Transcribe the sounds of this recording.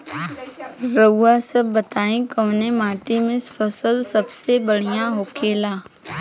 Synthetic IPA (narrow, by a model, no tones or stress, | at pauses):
ɾəːasəbːət̪aːĩkəʋnemaːʈimɪ̃spʰəsəlsəbsebəɽ̤ijãɦoːkʰeːlaː